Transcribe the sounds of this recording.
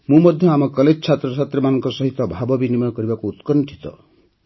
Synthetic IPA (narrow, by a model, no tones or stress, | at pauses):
mũmɔd̪ʱjɔamɔkɔled͡ʒɔt͡ʃʰat̪ɾɔsat̪ɾemanɔŋkɔsɔɦit̪ɔbʱabɔbinimɔjɔkɔɾibakuːt̪kɔnʈʰi̥t̪ɔ̰